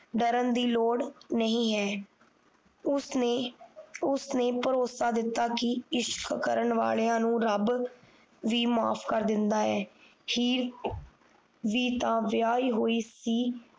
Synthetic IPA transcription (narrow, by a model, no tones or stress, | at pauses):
ɖəɾənd̪iːloːɽnəɦĩːɦɛː | ʊsneːpəɾoːsaːd̪ɪt̪ːaːkɪɪʃkkəɾəɳʋa̰ːleːãːnũːɾəb | ʋiːmaːpʰkəɾd̪ɪnd̪aːɛː | hiːɾ | ʋiːt̪ãːʋɪaːiːɦoːiːsiː